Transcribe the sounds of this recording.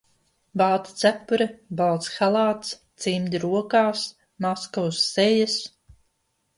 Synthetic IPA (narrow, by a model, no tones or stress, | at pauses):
balˠt̪t̪sæpːuɾɛbalˠt̪sxalˠaːt̪st̪simʲd̪ʲiɾuɔkaːs | maskɔwsːejas